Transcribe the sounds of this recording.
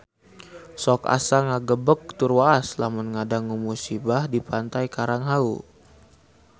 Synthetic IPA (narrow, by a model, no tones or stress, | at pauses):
sɔka̰saŋaɡəbək̚t̪urwaːslamʊnŋadaŋumusibahdipant̪ajkaɾaŋɦaṵ